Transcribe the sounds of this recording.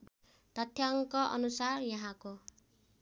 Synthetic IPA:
t̪ʌt̪ʰjʌŋkʌʔʌ̰nusarjʌɦãko

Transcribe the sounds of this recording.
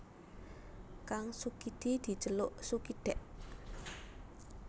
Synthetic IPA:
kaŋsukid̪̥id̪̥i̤t͡ʃəlʊʔsukiɖ̪̥ɛʔ

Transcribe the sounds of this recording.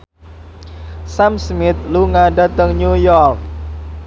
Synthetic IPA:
samsmɪt̪̚luŋadat̪əŋɲujɔrk̚

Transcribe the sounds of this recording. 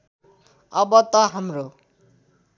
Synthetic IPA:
ʌbʌt̪ʌɦʌmɾo

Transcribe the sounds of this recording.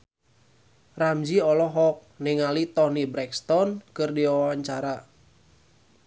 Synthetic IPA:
ramd͡ʒiɔlɔɦɔk̚niŋalit̪ɔnibɾɛkst̪ɔnkɨrdiwawaɲt͡ʃaɾa

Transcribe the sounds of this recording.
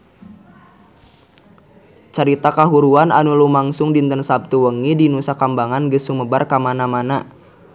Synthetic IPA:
t͡ʃaɾit̪akaɦuɾuananulumaŋsʊŋdint̪ənsap̚t̪uwəŋidinusakambaŋanɡəsːuməbarkamanamana

